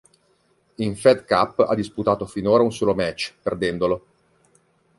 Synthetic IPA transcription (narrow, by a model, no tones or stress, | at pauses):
iɱfɛd̪ka̰pːa̰d̪ːisput̪aːt̪ofinoːɾaunsoːlomɛt͡ʃːperd̪ɛnd̪olo